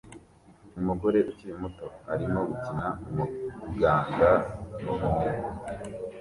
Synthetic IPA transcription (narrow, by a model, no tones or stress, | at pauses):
umuɡo̞ɾe̞ʔucijumuto̞a̰ɾimo̞ɡucinaumuɡaːŋɡanumuneo